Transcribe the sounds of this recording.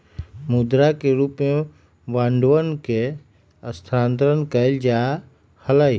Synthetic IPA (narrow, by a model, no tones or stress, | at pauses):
mud̪ɾakeɾuːpme | ʋãːɳɖʋənke | əst̪ʰɾãːnt̪ɾənkəld͡ʒa | həlai